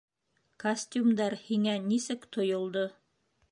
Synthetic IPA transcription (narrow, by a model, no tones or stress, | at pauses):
kɐsʲt̪ʲumd̪ɑɾhiŋænisɘkt̪ŏjŏlˠd̪o